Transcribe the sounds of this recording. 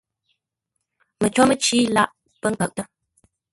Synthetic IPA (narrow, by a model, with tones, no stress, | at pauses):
mə˨t͡ʃo˦mə˦t͡ʃi˦la˦ʔ | pə˦ŋ̩˦kə˨k̚tə˦